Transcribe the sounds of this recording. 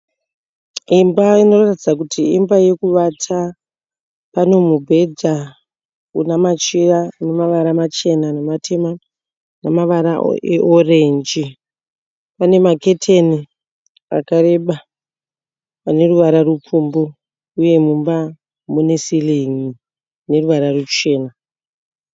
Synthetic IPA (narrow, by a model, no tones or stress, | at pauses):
imbaino̞ratid͡zakutiimbaje̞kuʋatʰa | pano̞mubʱe̞d͡za | ṵnamat͡ʃiranemaʋaɾamat͡ʃe̞nanematʰe̞ma | namaʋaɾa̰eʔorend͡ʒi | pane̞make̞tʰeni | a̰kaɾe̞ɓa | pane̞ruʋaɾarupumbo | uje̞mumba | mune̞siliŋi | ne̞ruʋaɾarut͡ʃe̞ːna